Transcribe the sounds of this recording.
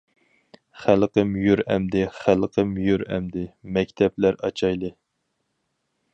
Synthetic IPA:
χælqəmjyɾɛmd̪ɪχælqʰəmjyɾɛ̰md̪ɪmɛkʲt̪ʰɛplæɾɑt͡ʃʰɑjlˠɨ

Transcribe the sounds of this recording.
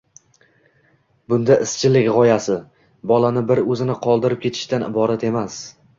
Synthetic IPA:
bʊnd̪aʔɪst͡ʃʰɪlɪkʲʁɒjasɪ | bɒlanɪbɪɾɵzɪnɪqʰɒlˠd̪ɪɾɪp̚kʲʰe̞t̪ʰɪ̥ʃt̪anɪ̰bɒɾat̪e̞mas

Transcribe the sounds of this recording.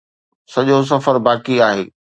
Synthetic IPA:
sɐʄos̬ɐfəɾbaːkiaːɦḛː

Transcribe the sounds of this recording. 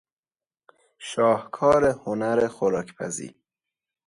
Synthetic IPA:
ʃɒːhkʰɒːɾehonæɾexoɾɒːkʰpʰæ̰zḭːɾ

